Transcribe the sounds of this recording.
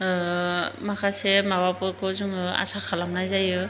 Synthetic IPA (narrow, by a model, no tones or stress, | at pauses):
makasɛmabapɔkɔzuŋa̰sakʰalamnajzajɔ